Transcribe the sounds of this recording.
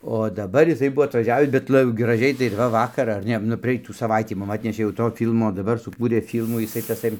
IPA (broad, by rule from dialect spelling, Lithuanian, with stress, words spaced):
oː dɐˈbɐr jɪˈsɐɪ ˈbʊʋoː ɐtʋɐˈʒʲæːʋʲɪs bʲɛt ˈlˠɐ ɡrɐˈʒʲɛɪ tɐɪ ɪr ˈʋɐ ˈʋɑːkɐr ɐr ˈnʲɛ nʊ prɐˈɛɪtuː sɐˈʋɐɪtʲiː ˈmʊm ˈɑːtʲnʲɛʃʲeː jɛʊ ˈtoː ˈfʲiːlˠmoː dɐˈbɐr sʊˈkuːrʲeː fʲɪlˠmuː jɪˈsɐɪ tɐˈsɐɪ